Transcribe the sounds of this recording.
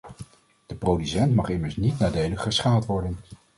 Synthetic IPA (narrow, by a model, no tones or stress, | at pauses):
d̥əprowdysɛntmɑχɪməɹsnitnaːdejləχəsχaːlˠtʋɔɹdən